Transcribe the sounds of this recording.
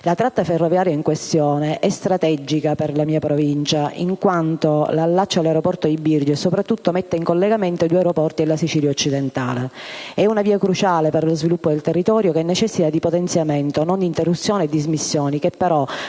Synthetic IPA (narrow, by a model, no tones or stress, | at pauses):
lat̪ɾat̪ːaferːovjaːɾjaiŋkwest̪jɔːneʔɛst̪ɾat̪ɛd͡ʒikaperlamiːapɾovint͡ʃaʔḭŋkwant̪olalːat͡ʃːalːaɾopɔrt̪od̪ibird͡ʒesopɾat̪ːut̪ːomet̪ːeiŋkolːeɡament̪od̪uaeɾopɔrt̪ielːasit͡ʃiːljaot͡ʃːid̪ent̪a̰ːleɛunaviːakɾut͡ʃaːleperlozvilupːod̪elt̪erːit̪ɔːɾjokɛnːɛt͡ʃɛsːit̪ad̪ipot̪ɛnsjamɛnt̪onond̪int̪erːut̪sːjɔːned̪ːizmisːjɔːnik̟epːeɾɔ